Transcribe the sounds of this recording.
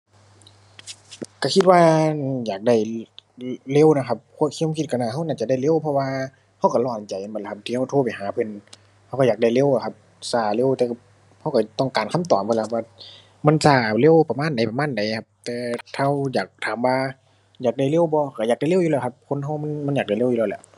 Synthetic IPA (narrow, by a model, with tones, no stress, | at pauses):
ka˧˩kʰi˧t̪̚waː˧jaː˨˩k̚da˧˩j | le˧˥˨wna˧kʰa˧p̚kʰu˧˥˨ə˨kʰiː˧kʰi˧t̪̚ka˧˩naː˧˩ɦa˧˨wnaː˧˩t͡ɕa˧˨da˧˩jle˧˨wpʰɔ˧waː˧ | ha˧˩wka˧˩lɔː˧˩˨nt͡ɕa˨ja˧˨bɔ˧˩˨la˧kʰa˧p̚t̪ʰiː˧ha˧˩wt̪ʰoː˧˩pa˨jhaː˨˦pʰɯ˧˨n | ha˧wka˧˩jaː˨˩k̚a˧˩jle˧˥˨wa˧˩kʰa˧p̚ | saː˧˩le˧˨wt̪ɛː˧kʰa˧ | ha˧˩wka˨˩t̪ɔ˧˩ŋkaː˨nkʰa˧˥˨mt̪ɔː˨˩mpʰlka˧p̚waː˧ | ma˧˥˨nsaː˧˩le˧˥˨wpa˧maː˧˥˨nda˨˦jpa˨˧maː˧˥˨nda˨˦jkʰa˧p̚t̪ɛː˧t̪ʰa˧˥˨wjaː˨˩k̚t̪ʰaː˨˦mwaː˧ | jaː˨˩k̚da˧˩jle˧˥˨wbɔː˧˦ka˧˩jaː˨˩k̚da˧˩jle˧˨wjuː˧lɛː˧˩˨kʰa˧p̚kʰo˧˥˨nɦa˧wma˧˥˨nma˧˥njaː˨˩k̚da˧˩˨le˧˨uː˧ɛ˧˩˨lɛ̰˧˩˨ʔ